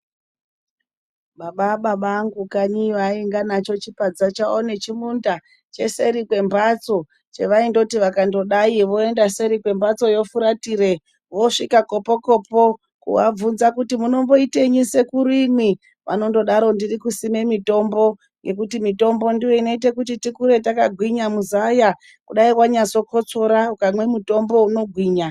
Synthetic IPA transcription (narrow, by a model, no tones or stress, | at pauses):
ɓaɓaɓaɓaŋɡukaɲiʋaiŋɡanat͡ʃo̞t͡ʃipad͡zat͡ʃaonet͡ʃimunda | t͡ʃe̞se̞ɾikwe̞mbat͡so̞ | t͡ʃe̞̰ʋaindo̞tiʋakando̞ɗaiʋo̞e̞ndase̞ɾikwe̞mbat͡so̞jo̞fuɾatiɾe̞ | ʋo̞ʂikako̞poko̞ːpo̞ | kṵwa̰b͡vunzakutimuno̞mbo̞ite̞ɲise̞kuɾimwi | ʋa̰no̞ndo̞ɗaɾo̞ndirikusime̞mito̞mbo̞ | je̞k̬utimito̞mbo̞ndiwo̞ino̞it̬ekutitikuɾe̞takaɡʱwiɲamuzaja | kuɗaikwaɲat͡so̞ko̞t͡so̞ɾaukamwe̞muto̞mbo̞uno̞ɡʱwiːɲa